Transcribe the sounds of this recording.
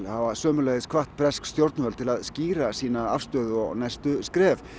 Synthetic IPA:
lhavasœːmʏleːjðɪskʰvaht̪̚pʰɾɛskst̪jowɾt̪nvœːlt̪ʰɪlaðsciːɾasiːnaafst̪œːðʏɔ̰ɣnajst̪ʏskɾɛːv

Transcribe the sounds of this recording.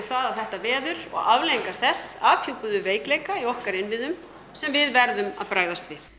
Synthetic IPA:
θaðawθɛht̪avɛːðʏɾɔ̰ɣavleːiŋkaɾ̥θɛsːaːfʰjupʏðʏveːjkleːjkaiɔhkaɾɪnvɪðʏm | sɛmvɪðvɛɾðʏma̰ðpɾaːjðast̪vɪθ

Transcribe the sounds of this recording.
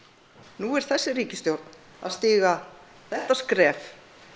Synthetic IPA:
nuɛɾ̥θɛsːɪriːcɪst̪jowɾt̪n | a̰st̪ɪːɣa | θɛht̪askɾɛːf

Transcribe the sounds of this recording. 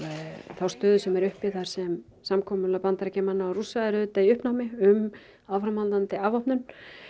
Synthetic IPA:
θawst̪œːðʏsɛmɛɾʏhpɪθaɾ̥sɛm | samkʰɔːmʏlapant̪aɾcɛmanːaːwrusaðɪɾʏðʏt̪aiʏhpnawmɪʏm | aːwfɾamhanlt̪ant̪ɪavɔhpnʏn

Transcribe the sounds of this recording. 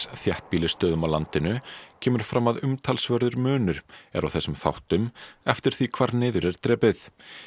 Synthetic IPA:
θjɛht̪̚piːlɪst̪œːðʏmawlant̪ɪnʏcʰɛːmʏɾ̥fɾaːmːaðʏmt̪ʰalsvœɾðʏɾmʏːnʏɾ̥ɛ̰ɾawθɛsʏmθa̰wht̪ʏmɛft̪ɪɾ̥θikʰv̥aɾnɪːðʏɾɛɾ̥t̪ɾɛːpɪθ

